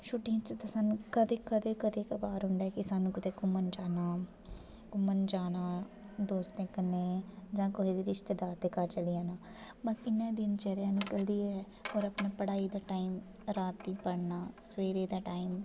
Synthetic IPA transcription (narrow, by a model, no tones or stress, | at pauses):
ʃʰʊʈːɪjãːt͡ʃət̪asaːnũkəd̪eːkəd̪eːkəd̪eːkabaːɾɦʊ̃nd̪aːɛkɪsaːnũːkət̪eːkomənd͡ʒaːnaː | kʊmənd͡ʒaːnaː | d̪oːst̪ẽːkəneːd͡ʒãːkoɦid̪iːɾɪʃt̪eːd̪aːɾd̪eːkaɾt͡ʃəliãːnaː | bakɪnãːd̪ɪnt͡ʃəɾjãːnɪkəld̪iːɛː | ɔːɾəpnaːpəɽaːiːd̪aːʈaːiːm | ɾaːt̪ːiːpəɽnaːsweːɾeːd̪aːʈaːiːm